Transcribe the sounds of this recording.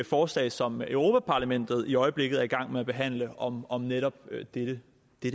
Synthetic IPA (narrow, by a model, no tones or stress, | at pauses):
fɒːslɛ̰ːɪsɒ̽møʊʁo̝ːpʰæpʰɑ̈læmen̰d̥ð̞̩ˠiɒ̽ɪəb̥le̝ɡ̥ð̩ˠæɐiɡ̥ɑ̈ŋ̰meæb̥e̝ɦæn̰ləɒ̽mɒ̽mneɾ̥ɒ̽b̥d̥ed̥ə | d̥eɾ